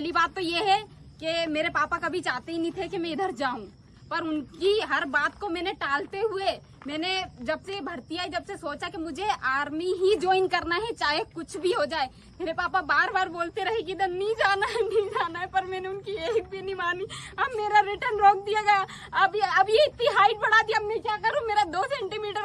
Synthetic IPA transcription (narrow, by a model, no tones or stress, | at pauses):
ɛɦlibaːt̪ːojeɦɛ | kemeːɾepaːpakɐbʱit͡ʃaːɦt̪eɦinĩt̪ʰekemɛ̃ɪd̪ʱəɾd͡ʒaːɦũ | pɐɾʊnkiɦɐɾbaːt̪komɛ̃ːneʈaːlt̪eɦue | mɛːned͡ʒɐbsebʱɐɾt̪iaid͡ʒɐbsesoːt͡ʃakemʊd͡ʒʱeʔaːɾmiɦid͡ʒoːɪŋɡkɐɾnaɦɛt͡ʃaːɦekʊt͡ʃʰbʱiɦod͡ʒaːe | meːɾepaːpabaːɾbaːɾboːlt̪eɾɐɦekiɪd̪ʱəɾnɐĩd͡ʒaːnaɦɛnĩd͡ʒaːnaɦɛpɐɾmɛ̃ːneʊnkieːk̚bʱinĩmaːniɐbmeːɾaɾɪʈəɾnɾoːk̚d̪ijaɡɐja | ɐbeɐbjeɪt̪niɦaːɪʈ̚bɐɽ̤aːt̪iɦɐmnẽkjakɐɾũmeːɾad̪oːsɛ̃ːɳʈimiːʈəɾ